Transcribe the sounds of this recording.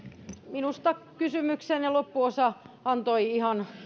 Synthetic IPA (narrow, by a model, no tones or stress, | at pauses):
minust̪ɑkysymyksenilopːuosɑɑnt̪oiihɑn